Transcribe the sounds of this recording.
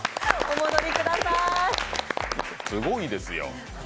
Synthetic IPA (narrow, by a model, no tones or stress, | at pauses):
omod̪oɾʲikɯ̟d̪asa | sɨɡo̞id̪e̞sɨjo̰